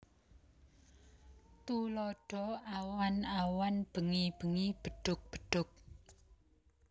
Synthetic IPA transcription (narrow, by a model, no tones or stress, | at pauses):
t̪ulɔɖ̥ɔ̤awanawanb̥ə̤ŋib̥ə̤ŋib̥ə̤ɖ̥ʊ̤k̚b̥əɖ̥ʊ̤k̚